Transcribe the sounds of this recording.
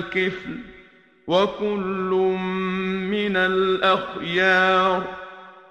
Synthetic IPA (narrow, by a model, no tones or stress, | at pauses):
qɪfl | wakʊlːʊmmɪnalʔaxjɑːɾˤ